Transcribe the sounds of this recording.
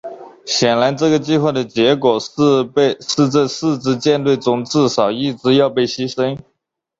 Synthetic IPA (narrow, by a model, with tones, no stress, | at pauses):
ɕjɛ˨˩nla˧˥ɪʈ͡ʂɤ˥˩ɡə˩t͡ɕi˥˧xwa˥˩d̪ə˩t͡ɕjɛ˧˥kwɔ˨˩ʂ̩˥˧˥ʂɻ̩˥˧t͡sa˥˧ʂɹ̩˥˧t͡sɹ̩˥˧t͡ɕjɛ˥˧nt̪̬we˥˩ɪt͡sʊ˧˥ŋt͡sɹ̩ɻ̩˥˩ʂɑ˨˩ʊi˥˩ʈ͡ʂɻ̩˧˥jɑ˥˧ʊpe˥˩ɪɕi˥ʂə˥n